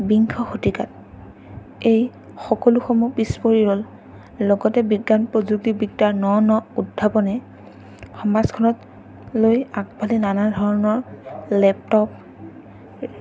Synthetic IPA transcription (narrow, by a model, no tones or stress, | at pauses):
biŋkʰɔxotikat | ej | xɔkɔluxɔmubispoɹiɦɔl | lɔɡɔtɛbiɡːanpɹɔzuk̚tibik̚taɹnɔnɔudʱːapɔnɛ | xɔmazkʰɔnɔt | lojak̚bʱalinanadʱɔɹɔnɔɹlɛp̚tɔp